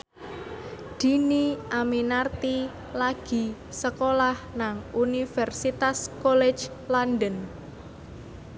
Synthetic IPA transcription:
d̪̥i̤niʔaminart̪i | laɡ̥i̤ | səkolahnaŋunifɛrsit̪askolɛ̥d͡ʒ | lanɖən

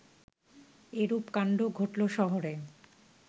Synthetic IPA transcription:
eɾupkaɳɖoɡʱoʈloʃɔɦoɾe

